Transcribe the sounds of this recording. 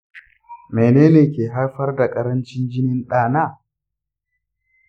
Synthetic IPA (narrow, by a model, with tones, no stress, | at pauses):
me˨neː˦neː˨kʲeː˨ɦa˦ɾɸɐ˦rda˨kʼɐ˦ɾɐ˦nt͡ʃɪ˦nd͡ʒɪ˦nɪ˦nɗaː˦˨naː˦˨